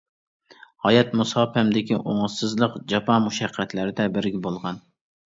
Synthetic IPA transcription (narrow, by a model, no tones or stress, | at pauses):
hɑjɛt̪musɑːpɛmd̪ɪkʲʰiʔoŋəsɨzlˠəqd͡ʒɑpʰɑmuʃɛqʰːæt̪læɾɪd̪ɛbɪɾɡʲɪbolˠʁɑn